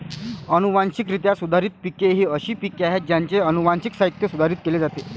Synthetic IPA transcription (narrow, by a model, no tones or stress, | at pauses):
ənuʋanɕikɾit̪jasud̪ʱaɾit̪̚pikeɦiəɕiːpikeaɦet̪̚d͡ʑjaɲt͡seənuʋanɕiksaɦit̪ːjəsud̪ʱaɾiːt̪̚keled͡zat̪e